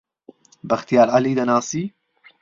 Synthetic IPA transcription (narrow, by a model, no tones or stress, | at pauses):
bɐxt̪ijaːlʔaliːd̪ɐnaːsiː